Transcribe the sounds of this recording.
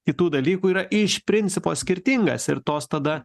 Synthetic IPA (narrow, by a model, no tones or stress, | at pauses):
kʲɪt̪uːd̪ɐlʲiːkuːiːɾɐʔɪʃpʲɾʲɪnʲtsʲɪpoːsʲkʲɪɾʲt̪ʲɪŋɡɐ̰sɪɾt̪oːst̪ɐd̪ɐ